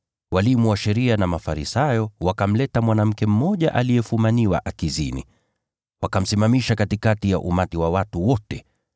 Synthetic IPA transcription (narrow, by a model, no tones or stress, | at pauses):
walimuwaʃɛɾianamafaɾisajɔwakam̩lɛtamwanam̩kɛm̩mɔʄaʔalijɛfumaniwa̰ʔakizḭnḭ | wakam̩simamiʃakatikatijaʔumatiwawatuwɔtɛ